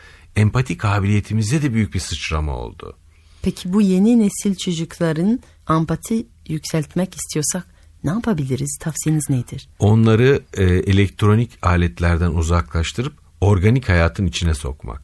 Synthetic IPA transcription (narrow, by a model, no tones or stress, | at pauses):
ɛmpʰat̪ʰikʰaːbilʲije̞t̪ʰimizd̪ɛd̪ɛbyjyc̚bisɯt͡ʃɾama̰o̰lˠd̪ʊ̰ | pʰecʰibuje̞ninesilʲt͡ʃʰod͡ʒuklˠaɾɯn | ampʰat̪ʰi | jycsælʲt̪mɛci̥st̪ʰijoɾsak | nɛapʰabilʲiɾiz̥t̪ʰafsijeniznejd̪iɾ̥o̞nlˠaɾɯelʲɛkt̪ʰɾo̞nicʰaːlʲɛt̪lʲæɾd̪ænuzaklˠaʃt̪ʰɯɾɯp̚ | o̞ɾɡanichajaːt̪ʰɯnit͡ʃʰinɛso̞̰kma̰k̚